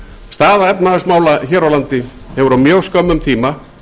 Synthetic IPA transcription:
st̪aːðaɛpnaʏsmaːwlaçɛːɾawlant̪ɪ | hɛvʏɾawmjœɣskœmːʏmt̪ʰiːma

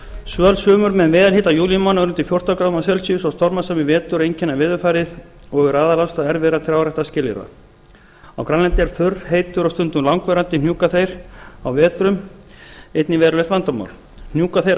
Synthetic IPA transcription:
sœːlsœːmʏɾmɛðmɛːðalɦiːt̪ajuːljmanaɾʏnt̪ɪfjowr̥t̪awkɾawmasjɛlsiʏsawst̪ɔɾmasamɪvɛːt̪ʏɾejɲcɪnːavɪːðʏɾfaːjɾɪð | ɔɣʏɾaːðalawst̪aɛɾvɛːɾaθɾjaːwrɛht̪ascɪːlɪ̰ɾa̰ | a̰wkɾanlɛnt̪ɪaɾ̥θʏrheːjt̪ʏɾawst̪ʏnt̪ʏmlawŋkvɛɾant̪ɪnjuːkaθejɾ̥awvɛːt̪ɾʏm | ejt̪nɪvɛːðɾʏlɛt̪vant̪ama̰wl | n̥juːkaθejɾ

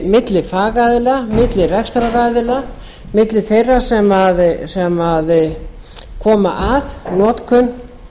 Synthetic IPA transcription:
mɪt̪lɪfaːɣajðɪlamɪt̪lɪrɛkst̪ɾaɾaːjðɪla | mɪt̪lɪθejrːasɛmaðsɛmað | kʰɔːma̰ʔaðnɔːt̪kʰʏn

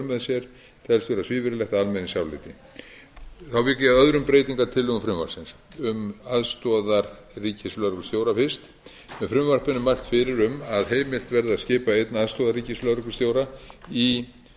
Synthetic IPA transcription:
mɛðsjɛɾ̥ | t̪ʰɛlsvɛːɾasvɪːvɪɾɪlɛxt̪aalmɛnɪsjawlɪ̰t̪ɪ | θawvɪkɪaðœðɾʏmpɾeːjt̪iŋkat̪ʰɪlːʏʏfɾʏmva̰ɾ̥sɪns | ʏmaðst̪ɔðaɾ | riːcɪsflœɾʏkʏ̥st̪joːwɾafɪɾ̥st̪ | mɛðfɾʏmvar̥pɪnʏmːajlt̪fɪɾɪɾʏmaðɦeːjmɪl̥t̪vɛɾðascɪːpaejt̪naaðst̪ɔːðaɾriːcɪslœðɾkʏ̥st̪jowɾai

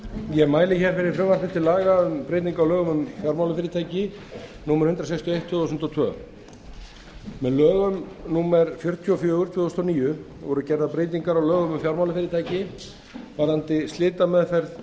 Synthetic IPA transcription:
jɛmaːjlɪçɛɾ̥fɪɾɪɾfɾʏmvḁfɪnt̪ʰɪlaːɣaʏmpɾejt̪niŋkawlœːɣʏmʏmfjawɾmawlʏfɪːɾɪt̪ʰaːjcɪ | nuːmɛɾ̥hʏnt̪ɾasɛjkst̪jɔejht̪ʰːʏðɔsʏm̥t̪ɔt̪ʰvœ̰ː | mɛðlœːɣʏmnuːmɛɾfjœɾ̥t̪ʰiɔfjœːɣʏɾ̥t̪ʰvʏːðɔst̪ʰɔniːjʏ | vɔɾʏcɛɾðapɾeːjt̪niŋkaɾawlœːɣʏmʏmfjawɾmawlʏfɪɾɪɾt̪ʰaːjcɪ | vaɾant̪ɪst̪lɪːt̪amɛðfɛɾð

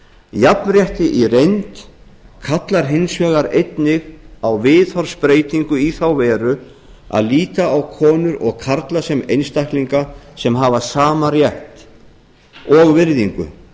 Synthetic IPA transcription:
japnrjɛht̪ɪʔiɾejnt̪ | kʰat̪laɾ̥ɦejnsvɛːɣaɾejt̪nɪɣawvɪːðhɔɾspɾeːjt̪iŋkʏiθawvɛːɾʏ | a̰ðliːt̪aawkʰɔːnʏɾɔɣkʰaɾt̪lasɛmejnst̪ahkliŋkasɛmɦaːvasaːmaɾjɛht̪ | ɔɣvɪɾðiŋkʏ̰

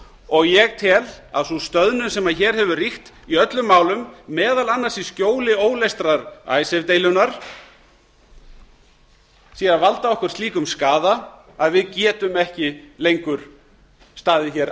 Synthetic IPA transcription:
ɔɣjɛɣt̪ʰɛl | a̰ðsust̪œðnʏnsɛmaðçɛːɾ̥hɛvʏrixt̪ | iœt̪lʏmːaːwlʏmːɛːðalanːasiscoːwlɪoːwlejst̪ɾaɾa̰ːjsɛvt̪eːjlʏnaɾ̥ | siːavalt̪aɔhkʏɾ̥st̪iːkʏmskaːða | aðvɪðcɛːt̪ʏmɛhcɪlejŋkʏɾ̥ | st̪aːðɪçɛɾ

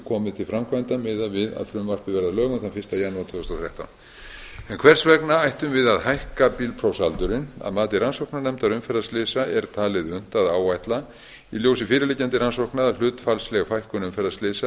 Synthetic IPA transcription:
kʰɔːmɪðt̪ʰɪlfɾamkʰvajnt̪amɪðavɪða̰ðfɾʏmvar̥pɪvɛɾðalœːɣʏθanfɪr̥st̪ajanːaat̪ʰvʏːðʏst̪oθɾja̰ht̪a̰wn | ɛnkʰvɛr̥svɛknaajht̪ʏmvɪðaðhajhkapiːlpʰɾowsalt̪ʏɾɪna̰ðmaːt̪ɪransowknaɾnɛmt̪aɾʏmfɛɾastlɪːsaʔɛɾt̪ʰaːlɪðʏn̥t̪aðaːwajht̪la | iljoːwsɪfɪːɾɪlɪcant̪ɪransowhknaðal̥ʏːt̪falslɛɣafajhkʏnʏmfɛɾast̪lɪːsa

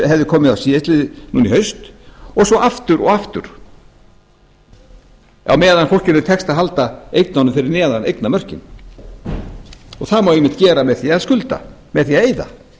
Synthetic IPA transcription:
ɦɛvðɪkʰɔːmɪðawsiːðɪst̪lɪːðɪnuːniɦœɥst̪ɔɣsɔʔaft̪ʏɾɔ̰ɣaft̪ʏ̰ɾ̥ | a̰wmɛːðankfʰɔr̥cɪnʏt̪ʰɛkst̪aðɦalt̪aejt̪nanʏmfɪɾɪɾnɛːðanḛjk̪namœr̥cɪ̰n | ɔɣθaðmawejmːɪht̪cɛːɾamɛðθiaðskʏlt̪a̰ | mɛðθiaðejða̰

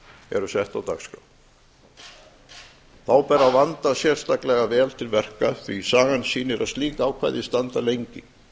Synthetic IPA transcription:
ɛ̰ɾʏsɛht̪awt̪ʰakskaw | θawpɛɾavant̪asjɛr̥st̪aklɛɣavɛːlt̪ʰɪlvɛr̥kaθvisaːɣansiːnɪɾaðst̪liːkaːwkʰva̰jðɪst̪ant̪alejɲcɪ

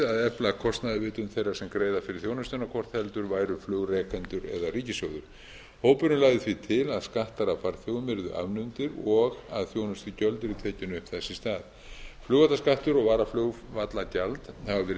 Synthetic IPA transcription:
aðɛplakʰɔst̪naðɪvɪːt̪ʏnθejraɾ̥sɛmkɾeːjðafɪɾɪɾ̥θjoːwnʏst̪ʏnakʰɔɾ̥t̪hɛlt̪ʏɾvaːjɾʏflœːwɣrɛːkʰant̪ʏɾɛ̰ðariːcɪsjowðʏɾ̥ | hoːwpʏnʏlaːɣðɪθvit̪ʰɪlaðskaht̪aɾafaɾθjoːwmɪɾðʏ̰ʔa̰vnʏnt̪ɪɾɔɣa̰ðθjownʏst̪ʏcœlt̪ʏɾit̪ʰeːcɪnʏʏhpθɛsːɪst̪aːð | flœwɣvat̪askaht̪ʏɾɔɣvaːɾafloːɣvat̪lacalt̪havavɛːɾ

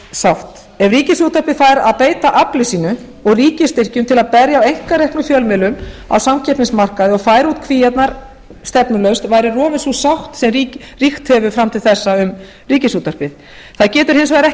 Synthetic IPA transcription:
sawht̪ | ɛvriːcɪsut̪ar̥pɪðfaːjɾaðpeːjt̪aʔaplɪsiːnʏ | ɔɣriːcɪst̪ɪr̥cʏmt̪ʰɪlaðpɛɾjaawejŋ̥kaɾɛhpnʏfjœlmɪlʏma̰wsamcʰɛpnɪnsmar̥kaðɪɔɣfaːjɾuːt̪kʰviːjɛt̪naɾ̥ | st̪ɛpnʏlœɥwst̪vaːjɾɪrɔːvɪnsusawht̪sɛmriː | rixt̪hɛvʏfɾamt̪ʰɪlθɛsːaʏm | riːcɪsuːt̪ar̥pɪð | θaðcɛːt̪ʏɾ̥hɪnsvajɾɛh

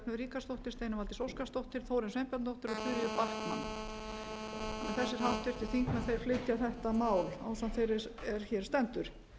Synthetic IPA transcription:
nʏðɾiːkast̪owht̪ɪɾ̥st̪ejnʏmalt̪ɪ̥sowskast̪owht̪ɪɾ̥θoːwɾɪnsvejmpat̪nt̪owht̪ɪɾɔt̪ʰʏɾjʏparkma̰nː | ɛ̰nθɛsːɪɾ̥hawt̪ɪɾ̥t̪ɪθiŋkmɛðθejɾ̥flɪt̪jaθɛht̪amaːwla̰wsanθejɾɪɾɛɾ̥çɛːɾ̥st̪ɛnt̪ʏɾ̥

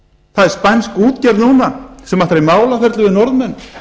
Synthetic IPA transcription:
θaðɛɾ̥spajnskuːt̪cɛɾðnuːnasɛmaht̪ɾejmaːwlafɛɾt̪lʏvɪðnɔɾðmɛnː

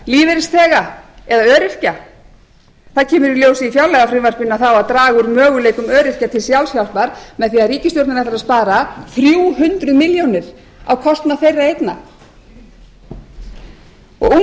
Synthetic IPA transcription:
liːvɪɾɪst̪ʰɛːɣaɛðaœːɾɪr̥ca | θaðcʰɛːmʏɾiljowsɪifjawlɛɣafɾɪmvar̥pɪnːaθawaðt̪ɾaːɣʏɾmœːɣʏleːjkʏmœːɾɪr̥cat̪ʰɪlsjawlsçjawlpaɾ̥mɛðθiaðriːcɪst̪joɾt̪nɪnafaɾaðspaːɾaθɾjuːɦʏnt̪ɾʏmɪljownɪɾ̥ | a̰wkʰɔst̪nafejrːaejt̪na | ɔ̰ɣu

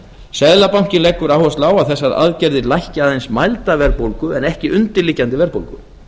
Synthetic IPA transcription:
sɛðlapawŋ̥cɪnlɛkːʏɾawhɔst̪laːwaθɛsːaða̰ðcɛɾðɪlajhcaðejnsmajlt̪avɛɾpowlkʏɛnɛhcɪʔʏnt̪ɪɾliːcːant̪ɪvɛɾpo̰wlkʏ̰

